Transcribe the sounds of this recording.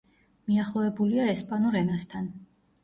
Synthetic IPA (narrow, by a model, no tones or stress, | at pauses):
miaχlˠɔvɛbuliaɛspʼanuɾɛnast̪ʰan